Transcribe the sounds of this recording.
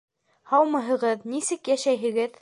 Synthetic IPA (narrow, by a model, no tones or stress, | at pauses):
hɑwmɤ̆ɦɤ̆ʁɤðnisɘkjæʃæjɦɘ̆ɡɘð